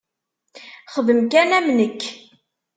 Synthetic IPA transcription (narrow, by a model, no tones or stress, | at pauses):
χəðəmkænæmnəkː